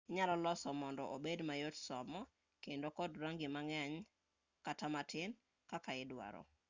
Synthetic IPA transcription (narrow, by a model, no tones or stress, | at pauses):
ɲalɔlɔsɔmɔndɔʔobedmajotsɔmɔ | kendokɔdɾaŋɡɪmaŋaɲ | katamatʰɪn | kakaɪdwa̰ɾɔ̰